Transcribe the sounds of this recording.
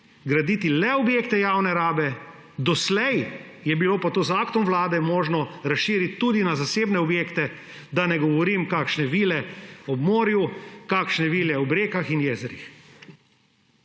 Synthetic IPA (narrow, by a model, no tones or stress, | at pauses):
ɡɾad̪iːt̪ilɛɔbjeːkt̪ɛjaːwnɛɾaːbɛ | d̪ɔslɛjjɛbiloːpat̪oːzaːkt̪ɔmʋlaːd̪ɛmoːʒnɔɾasʃiːɾit̪ːud̪inazaseːbnɛɔbjeːkt̪ɛ | d̪anɛɡɔʋɔɾimkaːkʃnɛʋiːlɛɔbmoːɾjukaːkʃnɛʋiːlɛɔbɾeːkaxinjeːzɛɾḭx